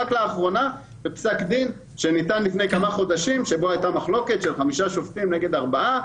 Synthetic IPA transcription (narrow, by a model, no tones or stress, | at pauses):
aklaːχʁo̞na | bepsakd̪in | ʃenit̪anlifnejkamaχo̞d̪aʃimʃe̞bo̞ajt̪amaχlo̞ke̞t̪ʃelχamiʃaʃoft̪imneɡe̞d̪aʁbaa